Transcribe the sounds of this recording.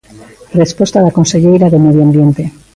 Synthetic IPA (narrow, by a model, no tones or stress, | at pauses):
respwo̞st̪aːlako̞nse̞ʝejɾaðe̞meðjoambje̞nt̪e̞